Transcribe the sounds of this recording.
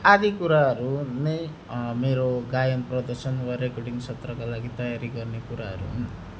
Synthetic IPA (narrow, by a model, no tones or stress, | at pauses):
ad̪ikuɾaɦʌɾunʌj | meɾoɡajʌnprʌd̪ʌrsʌnwaɾekʌrɖiŋsʰʌt̪rʌkalaɡit̪ʌjaɾiɡʌrnekuɾaɦʌ̰ɾṵɦun